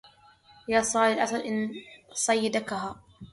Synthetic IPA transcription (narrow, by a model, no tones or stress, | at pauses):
jaːsˤɑːlɪlʔasɑlʔɪnsˤɑjːd̪akaɦaː